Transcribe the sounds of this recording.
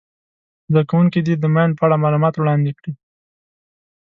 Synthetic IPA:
zd̪akawuŋkid̪id̪əmjnd̪̚pəaɽamɑlumɑt̪wɽɑnd̪ekɽi

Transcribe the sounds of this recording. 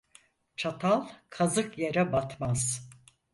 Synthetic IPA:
t͡ʃʰat̪ʰalˠkʰazɯkjeɾɛbat̪maz̥

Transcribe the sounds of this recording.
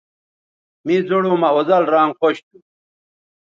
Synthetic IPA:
mid͡zoɽoːmɐozɐlɾaːŋɡχoɕt̪u

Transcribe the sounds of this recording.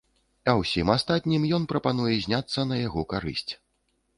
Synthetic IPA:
ɐwsʲimast̪at̪ʲnʲimjɔnpɾɐpanujɛzʲnʲat̪sːɐnɐjaɣɔkaɾɨ̰sʲt͡sʲ

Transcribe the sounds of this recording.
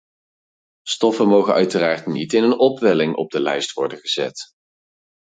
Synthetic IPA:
stɔfənmowχəœɥtəraːɹtnitɪnənɔpʋɛlɪŋʔɔ̰b̚dəlɛjstʋɔɹdəχəz̥ɛ̰t

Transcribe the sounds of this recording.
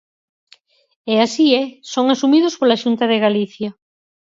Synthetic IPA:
easiɛsoŋasumiðʊspolaʃunt̪ɐðeɣaliθja

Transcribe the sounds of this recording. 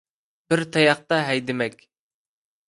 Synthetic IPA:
b̥ɪɾt̪ʰɑjɑχ̚t̪ɑɦɛjd̪ɪmɛkʲ

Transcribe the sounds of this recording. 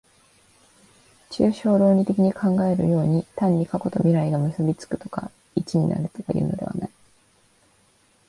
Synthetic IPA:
t͡ɕɨːɕo̞ːɾo̞ːɲ̟it̪e̞kʲiɲ̟ikʰãŋɡae̞ɾɯ̟̰jo̞ːɲ̟it̪ãɲ̟ːikako̞t̪o̞mʲiɾaiɡamɯ̟sɨbʲit͡sɨ̥kɯ̟̥t̪o̞̥ka̰ | it͡ɕiɲ̟ina̰ɾɯ̟t̪o̞kajiɯ̟ːno̞d̪e̞βa̰nai

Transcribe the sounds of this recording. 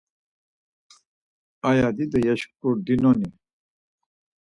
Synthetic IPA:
ajad̪id̪ɐjɐɕkuɾd̪inoni

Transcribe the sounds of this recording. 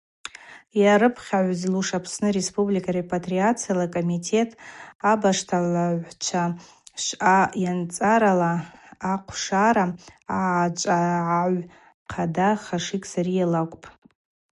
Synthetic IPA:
jaɾɨpʰχʲaʕʷzluʂapʰsnɨrespʼublikʼarepʼatʼriat͡sʰijalakʼomitʰe̞tʼabaʂtʰalaʕʷt͡ʃʷʰa | ʃajant͡sʼaɾalaːqʷʰʂaɾaat͡ʃʷʼaʕaʕʷ | qʰadaχaʂikʲʼsaɾijalakʷʼpʼ

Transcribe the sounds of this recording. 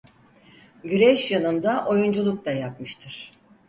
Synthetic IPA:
ɟyɾɛʃjanɯnd̪aʔo̞jund͡ʒulˠuk̚t̪ajap̚mɯʃt̪ʰɯɾ̥

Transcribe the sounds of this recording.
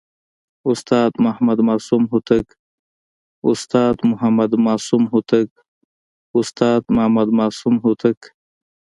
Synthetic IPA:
ust̪aːt̪mɐhmɐd̪maːsumɦut̪ɐk | ust̪aːt̪muɦɐmɐd̪maːsumɦut̪ɐk̚ | ust̪aːt̪mɐhmɐd̪maːsumɦut̪ɐk

